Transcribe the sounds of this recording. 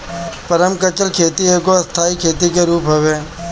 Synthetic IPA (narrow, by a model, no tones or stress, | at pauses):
pəɾəmkət͡ʃəlkʰeːt̪ieːkoɐst̪ʰaːikʰeːt̪ikeɾuːpɦɐʋeː